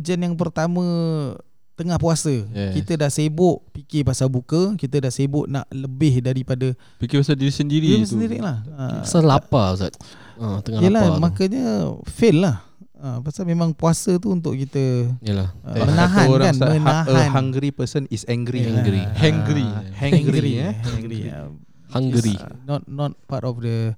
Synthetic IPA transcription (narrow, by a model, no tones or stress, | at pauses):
d͡ʒanjaŋp̬ərt̪amə̃ | t̪əŋahpuasəkit̪ədaʔsebʊʔpikɪpasabukəkit̪ədaʔsebʊʔna̰ʔləbɪhdaɾipadə | pikipasadiɾisəndiɾiiisəndiɾɪ̰ʔlahə̰asalapasa̰t̪̚ | ət̪əŋaijəlahmakəɲəfɪllah | əpasamẽmãŋpuasət̪̬uunt̪ʊʔkit̪əiəlaə̰mənaɦanoɾaanmənaaɦəahaŋɡɾipəsənisɛŋɡɾiaɾḭhãŋɡɾihɛ̃ɡɾɾihɛŋɡɾḭə̰ | haŋɡɾinɔt̪̚nɔt̪̚patɔfdə